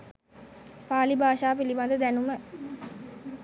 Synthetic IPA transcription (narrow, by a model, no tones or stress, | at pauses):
paːlibʱaːʃaːpiliband̪əd̪ænumə